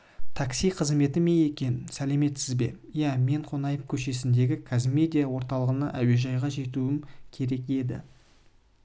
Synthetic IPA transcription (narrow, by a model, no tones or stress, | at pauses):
t̪ʰɑksijqʰəzme̞t̪ɪme̞e̞kʲe̞nɪnsæle̞me̞t̪sɪzbe̞̰ | jæme̞ɴqʰo̞nɑjəp̚kʲʰɵʃe̞s̬ɪnd̪e̞ɡʲɪkʰazɪme̞d̪ʲijawo̞ɾt̪ɑlˠəʁənɑ̰ʔæwe̞ʒɑjʁɑʒe̞t̪uɪmkʲʰe̞ɾe̞ke̞d̪ɪ̰